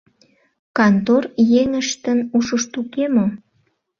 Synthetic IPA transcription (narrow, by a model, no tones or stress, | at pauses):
kɑnt̪orjeŋəʃt̪ənuʃəʃt̪ukemo